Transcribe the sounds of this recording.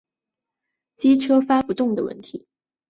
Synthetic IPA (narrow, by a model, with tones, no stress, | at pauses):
t͡ɕi˥ʈ͡ʂʰɤ˥fa˥pu˧˥t̪ʊ˥˩ŋd̪ə˩wə̰˥˩nt̪ʰi˧˥˦